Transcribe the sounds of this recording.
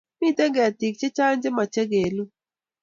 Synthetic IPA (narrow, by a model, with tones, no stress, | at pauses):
mi˦t̪ɛ˦ɡɛ˨ti˨k̚t͡ʃe˦t͡ʃa˦nd͡ʒe˦ma˨t͡ʃɛ˦ɡe˨lu˦